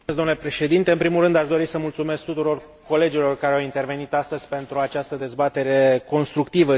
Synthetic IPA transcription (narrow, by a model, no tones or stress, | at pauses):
zd̪omnulepɾe̞ʃe̞d̪int̪e̞ɨnpɾimulrɨnd̪aʃd̪o̞ɾisəmult̪sume̞skt̪ut̪uɾo̞r | ko̞le̞d͡ʒilo̞rkaɾeawint̪e̞rve̞nit̪ast̪əzʲpe̞nt̪ɾuat͡ʃast̪əd̪e̞zbat̪e̞ɾe̞ko̞nst̪ɾukt̪ivə